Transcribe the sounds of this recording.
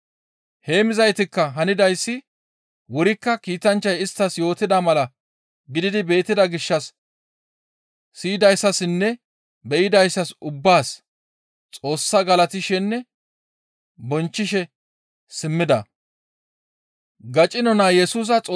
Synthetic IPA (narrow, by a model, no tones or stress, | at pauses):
he̞ːmɪzɐjt̪ɪkːɐɦɐnɪd̪ɐjsːɪ | wɔɾɪkːɐkiːt̪ɐnt͡ʃːɐjɪst̪ːɐsjo̞ːt̪ɪd̪ɐmɐlɐ | ɡɪd̪ɪd̪ɪbe̞ːt̪ːɪd̪ɐɡɪʃːɐs | iːd̪ɐjsːɐsɪnːɛ | bɛʔɪd̪ɐjsːɐsʊbːaːs | t͡sʼo̞ːsːɐɡɐlɐt̪ɪʃɛnːɛ | bɔnt͡ʃːɪʃɛ | sɪmːɪd̪ɐ̰ | ɡɐt͡ʃʼɪnɔnajɛsuːs̬ɐt͡sʼː